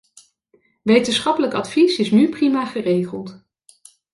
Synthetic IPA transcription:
ʋejtənsχɑpələkɑtfisɪsnyprimaːχərejχəlˠt

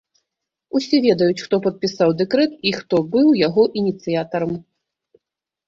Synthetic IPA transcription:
usʲɛvʲɛd̪ɐjut͡sʲxt̪ɔpɐt̪̚pʲisawd̪ɛkɾɛt̪ixt̪ɔbɨwjaɣɔʔinʲit̪sɨjat̪ɐɾɐm

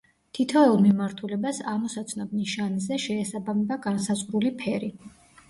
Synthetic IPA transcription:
t̪ʰit̪ʰɔɛlˠmimaɾt̪ʰulɛbasaʁmɔsat̪sʰnɔb̚niʃanzɛʃɛːsabamɛbaɡansazʼʁɾulipʰɛɾi

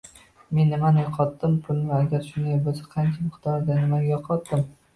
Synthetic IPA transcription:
me̞nːɪmanɪjɒqʰɒt̪ːɪmpʰʊlnɪaɡʲaɾʃʊnd̪ajbosḁqʰɑnt͡ʃʰamʊqt̪ɒɾd̪anɪmajɒqʰɒt̪ːɪm

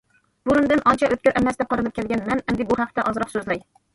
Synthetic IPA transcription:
b̥ʊɾɪnd̪anʔɒnt͡ʃʰaʔɵt̪̚ʲɵɾʔamasd̪aqʰoɾɨnɪp̚kʲelɡʲanmanamd̪ɪbʊhɑq̚t̪aʔɒzɾɒqsɵzlaj

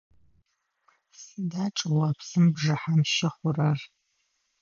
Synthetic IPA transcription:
sidaːʈ͡ʂʼɨwɐpsɨmbʐɐħamʃɐχʷʊrɐr

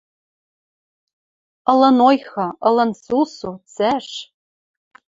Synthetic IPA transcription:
ɤ̆lɤ̆nojxɤ̆ɤ̆lˠɤ̆nsusut͡sæʂ

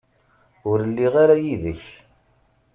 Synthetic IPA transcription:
ʊɾəlːiʁaɾajiðəç

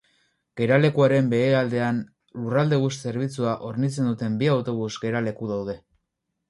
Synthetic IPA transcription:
ɡ̥e̞ɾale̞kuaɾe̞mbe̞eald̪e̞an | lurald̪e̞β̞usse̞ɾβ̞it͡suaʔoɾnit͡se̞nd̪ut̪e̞mbiawt̪o̞β̞uzɡe̞ɾale̞kuðawð̞e̞

